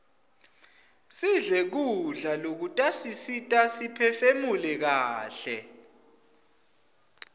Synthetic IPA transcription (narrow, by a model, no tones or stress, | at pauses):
siɮɛk̬uɮalok̬utʼasisitʼasipʰɛfemulɛk̬aːɬɛ̰